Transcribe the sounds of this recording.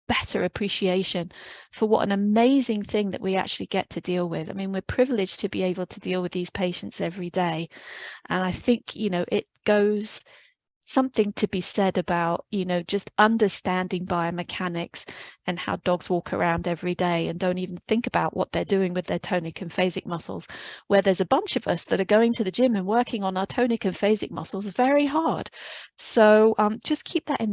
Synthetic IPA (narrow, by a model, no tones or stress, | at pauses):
b̥ɛɾə̰˞ɨpʰɹ̥iʃieɪʃɨ̃nfə˞wʌ̰ɾə̰̃nɨmeɪzɪ̃ŋθɪ̃ŋðɨ̰ʔwiæ̰k̚t͡ʃʉl̩ˠiɡɛ̰tʰɨdilˠwɪða̰ɪmĩnwɨɹpʰɹ̥ɪvl̩ˠɪd͡ʒ̥tʰɨbieɪbl̩ˠtʰɨdilˠwɨðiz̥pʰeɪʃɨ̃n̩tsɛvɹideɪʔə̃naɪθɪ̃ŋkʰjɨnoʊʔɪt̚ɡ̥oʊz̥ | sʌ̃mθɪ̃ŋtʰɨbisɛɾɨbaʊʔ̚jɨnoʊd͡ʒʌstʌ̃ndə˞stæ̃ndɪ̃ŋbaɪəmɨkʰænɪksɨ̃nha̰ʊdɔɡz̥wɔkʰə̰˞ʔãʊ̃ndɛvɹideɪɨ̃ndõʊ̃ntivn̩θɪ̃ŋkɨbaʊʔwʌ̰t̪̚ðə˞dʉɪ̃ŋwɨðə˞tʰõʊ̃nɨkʰɨ̃nfeɪzɨk̚mʌsl̩ˠz̥wə˞ðə˞zɨbʌ̃nt͡ʃʌvʌsðɨɾə˞ɡoʊɪ̃ŋtʰɨðɨd͡ʒɪ̃mɨ̃nwɜ˞kʰɪ̃ŋə̃nəʊə˞tʰõʊ̃nɨkɨ̃nfeɪzɨ̰k̚mʌ̰sl̩ˠzvɛɹiɦɑɹd̥soʊʌ̃md͡ʒʌskʰip̚ðɨɾʔɨ̃n